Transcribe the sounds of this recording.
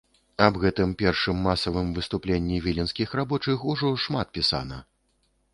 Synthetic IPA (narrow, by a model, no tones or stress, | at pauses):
ɐbɣɛt̪ɨmpʲɛrʂɨmːasɐvɨmvɨst̪uplʲenʲːivʲilʲinsʲkʲixrabɔt͡ʂɨxuʐɔʂmat̪̚pʲisa̰nɐ̰